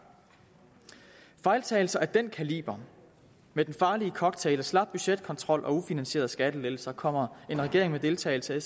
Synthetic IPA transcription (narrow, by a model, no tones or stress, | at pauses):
fɑ̈ɪlt͡sʰɛ̰ːɪl̩sɐæɐd̥enkʰælḭːb̥ɐ | med̥enfɑ̈ːliəkʰɒ̽ɡ̥̚t͡sʰelæslɑ̈b̥̚b̥yɕed̥̚kʰɒ̽nt͡sʰʁɒ̽l̰ʔɒ̽ufinænɕe̝̰ːɐðˠsɡ̥æd̥əle̥l̩sɐkʰɒ̽m̰ɐe̝nʁɛɡ̥e̝ɐ̰eŋmed̥e̝lt͡sʰɛ̰ːɪl̩səe